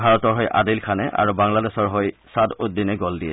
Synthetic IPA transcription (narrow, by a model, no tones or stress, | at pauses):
bʱaɹɔtɔɹɦojʔa̰dilkʰanɛ̰ʔa̰ɹubaŋladɛsɔɹɦojsadut̚dinɛɡɔldiɛ